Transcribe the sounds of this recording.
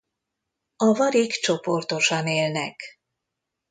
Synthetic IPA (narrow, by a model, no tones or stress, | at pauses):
ɒvɒɾikt͡ʃo̞po̞rt̪o̞ʃɒneːlnɛk